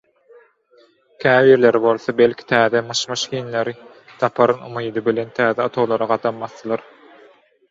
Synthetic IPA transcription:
kʲʰæːβiːɾle̞ɾbo̞lˠθobelʲkʲʰi̥t̪ʰæːðemɯʃmɯʃxiːnle̞ɾi | t̪ʰɑpʰɑɾɯnumijd̪ɯbile̞nt̪ʰæːðeɑt̪ʰolˠɑɾɑɢɑd̪ɑmmɑθːɯlˠɑɾ

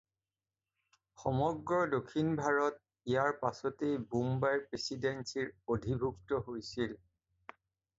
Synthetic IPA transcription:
xɔmɔɡɹɔdokʰinbʱaɹɔt̚ | ijaɹpasɔtejbumbajɹpɹesidensiɹodʱibʱuktɔɦojsil

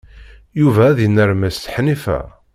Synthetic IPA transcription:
juvæːðiənːəɾmæsθħnifæ̰

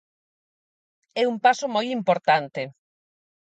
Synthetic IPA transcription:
ɛumpasomojimpoɾt̪ant̪e

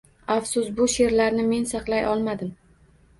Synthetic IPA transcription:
afsʊsbʊʃe̞ɾlaɾnɪme̞nsɑqlˠajʔɒlˠmad̪ɪm

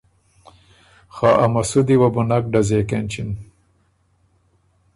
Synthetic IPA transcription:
xaʔamasud̪iwabunak̚ɖazekenʲt͡ʃin

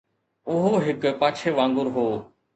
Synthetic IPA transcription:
ʊɦoɦɪkpaːt͡ʃʰeːʋãːŋɡʊɾɦoː

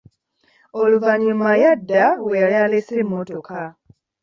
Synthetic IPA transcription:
oluvaɲumajadːawejaljaːlesiimotoka

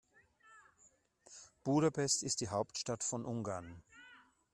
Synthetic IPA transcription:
b̥uːɾapʰɛstɪstd̥iːɦaʊptʃtatfɔnʔʊŋɡaɐn

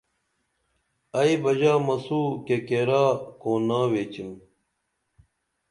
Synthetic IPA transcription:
ɐibɐʑaːmɐsuːkekeɾaːkoːnaːweːt͡ɕim

